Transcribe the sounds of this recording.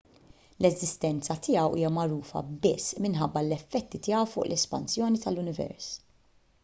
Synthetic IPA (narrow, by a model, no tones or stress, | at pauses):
lɛzɪst̪ɛnt͡sɐt̪ʰɪːjɐwʔḭːjɐmɐɾuːfɐ̰bɪsːmɪnħɐbːɐlɛfːɛt̪ːit̪ɪːɐwfʊːʔlʔɛspɐ̰nsjɔːnit̪ɐlːʊnɪvɛ̰ɾs